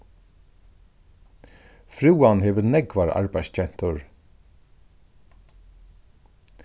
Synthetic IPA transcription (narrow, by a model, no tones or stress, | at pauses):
fɾuːanhɛːvənɛɡvaɹa̰ɹbajst͡ʃʰɛn̥t̪ʊɹ